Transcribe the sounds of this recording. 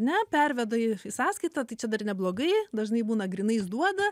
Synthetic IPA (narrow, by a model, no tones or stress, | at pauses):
nʲɛpʲɛrʲʋʲɛd̪ɐɪɪsɑːskɐɪt̪ɐt̪ɐɪt͡ʃʲɛd̪ɐrnʲɛblˠoːɡɐɪd̪ɐʒnɐɪbuːnɐɡɾʲɪnɐɪzd̪uɔd̪ɐ